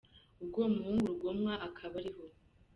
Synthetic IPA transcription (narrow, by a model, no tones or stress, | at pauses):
uɡoːmuhuːŋɡuɾuɡo̞mŋaʔakʰaβaɾiho̞